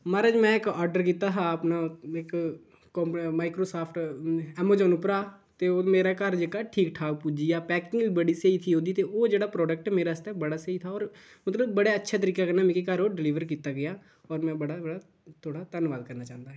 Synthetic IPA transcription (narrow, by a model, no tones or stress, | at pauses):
maɾəd͡ʒmɛ̃ːɪkɔːɾɖəɾkiːt̪aːɦaːəpnaɪkː | ɔːmmaːɪkɾoːsaːpʰʈɛːmoːd͡ʒɔːnʊpɾaː | t̪eoːmeːɾakəɾd͡ʒekaʈʰiːkʈʰaːkpud͡ʒijaːpɛːkɪŋəlbəɽiseit̪ʰiːoːd̪it̪eoːd͡ʒeːɽaːpɾɔːɖək̚ʈɛmeːɾaːəst̪ɛbəɽaːseit̪ʰaːɔːɾ | mət̪ləbːəɽaətːʃʰat̪̬əɾiːkakəɾnaːmɛ̃kikəɾoːɖɪliːʋəɾkiːt̪aːɡɪjaː | ɔːɾmɛ̃ːbəɽabəɽaː | t̪ʰoːɽat̪ənʋaːd̪kəɾnaːt͡ʃã̰ːnd̪aːɦɛ